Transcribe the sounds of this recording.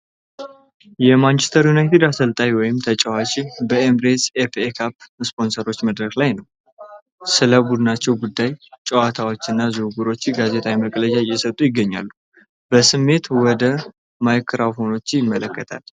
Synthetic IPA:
jɛmant͡ʃest̪ʰəɾjunajt̪ʰed̪asəlt̪ʼawjwɔjɪmt̪ʰət͡ʃʼɛwat͡ʃʼibəemɾesefekʰapspo̞nsəɾo̞t͡ʃːməd̪ɾəklajnəw | sɨləbud̪ɨnat͡ʃːɛwɡud̪ːajt͡ʃʼɛwat̪ʰawo̞t͡ʃːɨnːazuɡuɾo̞t͡ʃːɡaze̞t̪ʼawiməkʼləd͡ʒajɛsət̪ʼujɪɡːəɲːa̰lːu | bəsɨmːe̞t̪wɔd̪ə | majkʰːɨɾafo̞no̞t͡ʃːjɪmːələkːət̪ʰa̰l

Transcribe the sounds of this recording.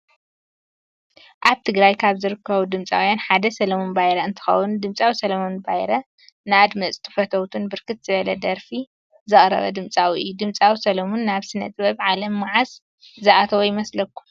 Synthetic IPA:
ʔaβt̪ʰɨɡɾajkʰaβzɨɾɨkʰːɐβud̪ɨmt͡sʼa̰wjanħad̪ɐsɐlɐmonbajɾɐɨnt̪ʰɨ̥xɐ̰wund̪ɨmt͡sʼawisɐlɐmonbajɾɐ | nɨad̪mɐt͡sʼt̪ʰɨ̥fɐt̪ʰɐwt̪ʰunbɨɾkʰɨt̪z̥ɨβɐlɐd̪ɐɾfi | zɨχʼɾɐ̰βɐ̰d̪ɨmt͡sʼawiʔɨjːud̪ɨmt͡sʼawisɐlɐmonːaβsɨnɐ̰t̪ʼbɐβʕalɐmːaʕas | zɐʔat̪ʰɐwojɪmɐslɐkːu̥

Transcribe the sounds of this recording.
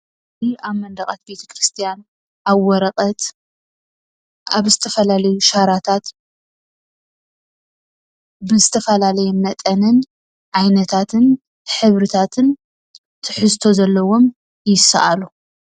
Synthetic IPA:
iʔaβmɐnd̪ɐkʼat̪̚be̞t̪ʰɐ̥kɾɨst̪ʰijan | ʔaβwɔɾɐqʼɐt̪ | aβzɨt̪ʰɐfɐlalɐjuʃaɾat̪ʰat̪ | bɨzɨt̪ʰɐfɐlalɐjɛmɐt̪ʼɐnɨn | ʕajnɐt̪ʰat̪ʰɨn | ħɨβɾɨt̪ʰat̪ʰɨn | t̪ʰɨħɨzt̪ʰo̞zɐlːɐwo̞m | jɪsa̰ʔalu

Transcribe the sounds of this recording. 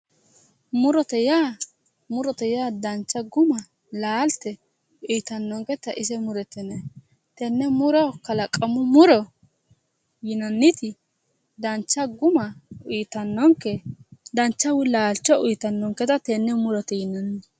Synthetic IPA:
mʊɾɔt̪ɛjaː | mʊɾɔt̪ɛjaːd̪ɐnt͡ʃːɐɡʊmɐ | laːlt̪ɛ | ʊjt̪ɐnːɔŋkɛt̪ɐʔɪs̬ɛmʊɾɛt̪ːɛnɛ | t̪ɛnːɛmʊɾɔkɐlɐkʼɐmʊmʊɾɔ | jɪnɐnːɪt̪ɪ | d̪ɐnt͡ʃːɐɡʊmɐʊjt̪ɐnːɔŋkɛd̪ɐnt͡ʃːɐwɪlaːlt͡ʃːɔʊjt̪ɐnːɔŋkɛt̪ɐt̪ɛnːɛmʊɾɔt̪ɛjɪnɐnːɪ

